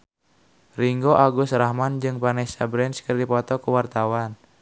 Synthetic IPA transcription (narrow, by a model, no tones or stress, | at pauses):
riŋɡoʔaɡʊsrahmand͡ʒɨŋpanɛsabɾɛnskərdipɔt̪ɔkuwart̪awan